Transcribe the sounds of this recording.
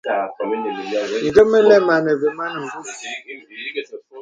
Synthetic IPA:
ŋ̩˨ɡə˦mə˦lɛ˦ma˨nə˨ve˨ma˦nə˨m̩˨bu˦˨

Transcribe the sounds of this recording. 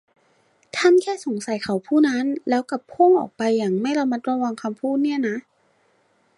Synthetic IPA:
t̪ʰa˧˥˨mkʰɛː˥˨so˨˩˦ŋsa˨˦jkʰa˨˩wpʰuː˥˩na˦˥˨nlɛː˦˥wka˨˧˩pʰo˥˨ŋʔɔ̰ː˨˩k̚pa˧jːaː˨˩ŋma˥˩jla˧ma˦˥t̪̚ɾa˧wa˧ŋkʰa˧mpʰuː˥˩t̪̚ni˥˩ɐna˦˥ʔ

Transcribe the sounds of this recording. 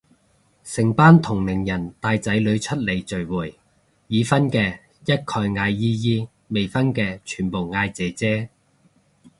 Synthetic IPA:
sɪ˨˩ŋpaː˥nt̪ʰʊ˨˩ŋlɪ˨˩ŋjɐ˨˩nt̪aː˧jt͡sɐ˨˥jlɵ˨˧ɥt͡ʃʰɵ˥t̚le˨˩jt͡sɵ˨˩ɥwuː˨˩j | jiː˨˧fɐ˥nkɛː˧ | jɐ˥t̚kʰɔː˧jŋaː˧jːiː˥jiː˥ | me˨˩jfɐ˥nkɛː˧t͡ʃʰyː˨˩npo˨˩wŋaː˧jt͡sɛ˨˥t͡sɛː˥

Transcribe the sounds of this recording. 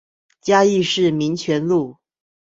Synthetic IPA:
t͡ɕja˥i˥˧ʂɻ̩˥˩mi˧˥ŋt͡ɕʰɥɛ˧˥nlu˥˩

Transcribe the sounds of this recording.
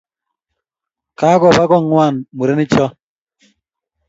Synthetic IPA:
ka˦kɔ˨ba˦ɡɔ˦˨ŋwa˦˨nmu˨ɾe˦nɪ˦t͡ʃɔ˦

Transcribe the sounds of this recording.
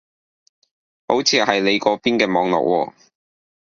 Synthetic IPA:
ho˨˥wt͡sʰiː˨˧hɐ˨jle˨˧jkɔː˨˧piː˥nkɛː˧mɔː˨˧ŋlɔ̰˨k̚wʔɔː˧

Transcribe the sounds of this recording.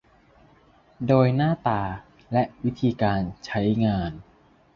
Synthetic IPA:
doː˧jnaː˥˩t̪aː˧ | lɛ˦˥ʔwi˦˥t̪ʰiː˧kaː˧nt͡ɕʰa˦˥jŋaː˧n

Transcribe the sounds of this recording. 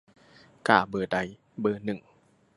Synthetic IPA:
kaː˧˩bɤː˨˩da˧˦j | bɤː˧˩nɯ˨˩ŋ

